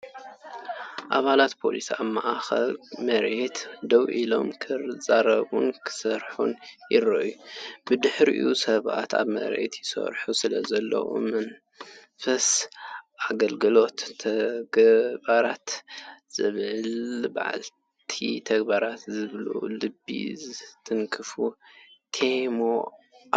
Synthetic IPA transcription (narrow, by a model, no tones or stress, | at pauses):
ʔaβalat̪pʰo̞̰lisaβmaʔaxɐlmɐɾet̪d̪ɐwʔilo̞̰mkʰɨɾɨzʼaɾɐβunkʰɨ̥sɐɾħṵnjɪɾɐʔjubɨd̪ɨħɾḭʔusɐβa̰t̪a̰βmɐ̰ɾḛt̪ʰjɪsɐ̰ɾħusɨlɐzɐlːɐ̰wo̰mɐn | fɐsʔaɡɐlɡɨlo̞t̪ʰːɐɡbaɾat̪z̥ɨβʕɨlba̰ʕa̰l | t̪ʰit̪ʰɐɡbaɾat̪zɨβlṵlɨbːḭzɨt̪ʰɨŋkʰɨfut̪ʰemo